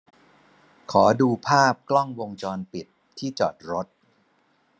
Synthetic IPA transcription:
kʰɔː˩˦duː˧pʰaː˥˩p̚klɔ˥˩ŋwo˧ŋt͡ɕɔː˧npi˨˩t̪ʰːiː˥˩t͡ɕɔ̰ː˨˩t̪̚ɾo˦˥t̪̚

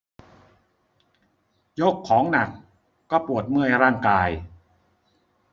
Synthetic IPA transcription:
jo˦˥˩kʰːɔː˩˦ŋna˨˩kː | ɔː˥˩pu˨˩ə˩t̪̚mɯ˥˩əjɾaː˥˩ŋkaː˧j

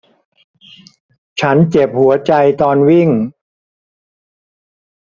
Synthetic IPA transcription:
t͡ɕʰa˦˥nt͡ɕe˨˩p̚hu˩˦ɐt͡ɕa˧jt̪ɔː˧nwi˥˩ŋ

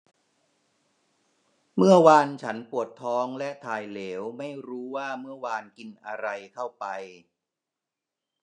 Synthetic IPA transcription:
mɯ˥˩əwaː˧nt͡ɕʰa˦˥npu˨˩ət̪ʰːɔː˦˥ŋlɛ˦˥ʔt̪ʰaː˧jleː˩˦wma˥˩jɾuː˦˥waː˥˩mɯ˥˩əwaː˧nki˧nʔa˧ɾa˧jk̪ʰa˥˩wpa˧j

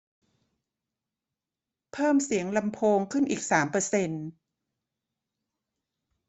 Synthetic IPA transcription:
pʰɤː˥˩msi˩˦əŋla˧mpʰoː˧ŋkʰɯ˥˩nʔiː˨˩k̚saː˩˦mpɤː˧se˧n

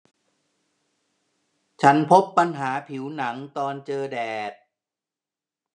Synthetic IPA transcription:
t͡ɕʰa˦˥npʰo˦˥pːa˧nɦaː˩˦pʰi˩˦wna˩˦ŋt̪ɔː˧nt͡ɕɤː˧dɛː˨˩t̪̚

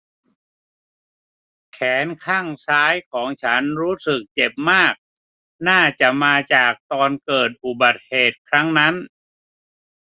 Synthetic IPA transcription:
kʰɛː˩˦nkʰaː˥˩ŋsaː˦˥jkʰɔː˩˦ŋt͡ɕʰa˦˥nɾuː˦˥sɯ˨˩k̚t͡ɕe˨˩p̚maː˥˩k̚ | naː˥˩t͡ɕa˨˩maː˧t͡ɕaː˨˩k̚t̪ɔː˧nkɤː˨˩t̪̚ʔu˨˩ba˨˩t̪̚heː˨˩t̪̚kʰɾa˦˥ŋna˦˥n

